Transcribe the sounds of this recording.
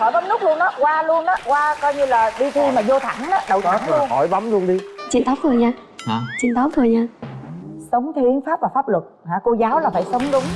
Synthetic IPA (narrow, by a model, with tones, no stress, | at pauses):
hɔ˧˩jɓa˨˦mnɨ˦˥k̚lu˧ənːʔɔː˨˦kwaː˧lu˧ənʔɔː˨˦kwaː˧kɔ˧jɲɨ˧laː˨˩ɗi˧t̪ʰi˧maː˨˩zo˧t̪ʰa̰˧˩˦ŋʔaː˨˦ɗə˨˩wt̪ʰa˨˦˨ŋlənhɔ̰˧˩˦jɓa˨˦mlu˧ənɗi˧t͡ɕḭ˧˨nt̪ɔ˨˦wt̪ʰu˨˩jɲaː˧ | t͡ɕḭ˧˨nt̪ɔ˨˦wt̪ʰɨ˨˧˩jɲaː˧ | sə˨˦wŋ͡mt̪ʰi˨˦ənfaː˦˥p̚vaː˨˩faː˦˥p̚lwə˨˩t̚haː˧˩ko˧zaː˨˦wlaː˨˩faː˧˩jsə˨˦wŋ͡mɗʊ˨˦ŋ͡m